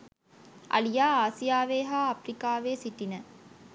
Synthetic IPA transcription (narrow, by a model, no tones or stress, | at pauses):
ʔɐ̰lijaːaːsijaːʋeːɦaːɐfɾikaːʋeːsiʈinə